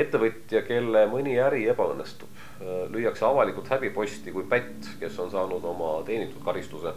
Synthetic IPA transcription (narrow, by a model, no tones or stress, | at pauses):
e̞t̪ːˑevɤt̪ʲˑjɑke̞lːemɯnʲiæɾie̞pɑɤnːe̞st̪ub̥ | lyjːɑkseɑvɑlikˑult̪hæb̥ipo̞sʲt̪ikujpæt̪ːˑ | ke̞so̞nsɑːnud̪̥o̞mɑt̪e̞ːnʲit̪ːˑu̥t̪̚kɑɾist̪use̞